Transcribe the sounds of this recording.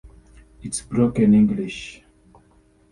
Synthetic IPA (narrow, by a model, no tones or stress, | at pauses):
itsbɹokɛ̃nĩŋɡliʃ